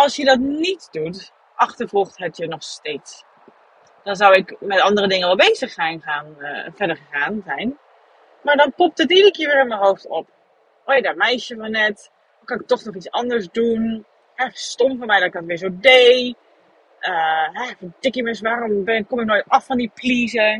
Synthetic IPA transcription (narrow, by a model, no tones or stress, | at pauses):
ɔlˠsjədɔtnitdut | ʔaxtəɹfɔxthɛtjənɔxsteːts | d̥ɔnzawɪkmɛtɔndərədɪŋənʋɛlˠbeːzəxsɛjnxaːnfɛdərxəxaːnzɛjn | maɹdɔnpop̚tətidəkɪəʋɪːɹɪnmənɦowftop̚ | ʔojadamɛjsjəʋɔnɛt | kanɪk̚tɔxnɔxit͡sɔndəɹsdun | hɛfəstomfɔmɛjdɔtkɡɔtʋɪːzoːdej | ʔəɦɛfədɪkiməs̬ʋaːrombɪkomɪk̚noːjtɔfɔndipliːzə